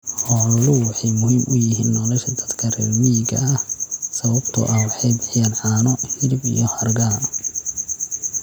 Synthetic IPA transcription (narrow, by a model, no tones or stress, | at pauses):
hɔːllʊwɑħɑjmʊɦɪmʔʊjɪɦiːnːɔːlɔʃɐd̪ɐd̪kʰɐrɛːlwiɡɐ̰ʔɐhsɐβɐbt̪ʰʊ̰ʔɐhwɑħɑjbɪħɪjanʕɑːnɔhɪɾɪbḭjɔhɐrɡaː